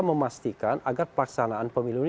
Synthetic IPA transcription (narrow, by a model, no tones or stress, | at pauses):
məmast̪ikanaɡarpəlaksanaanpəmilun